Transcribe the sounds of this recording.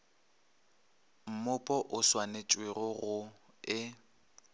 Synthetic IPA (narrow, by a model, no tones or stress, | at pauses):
m̩mʊpʼɔʔʊswanet͡ʃʼwɪrɔɣʊ | ɪ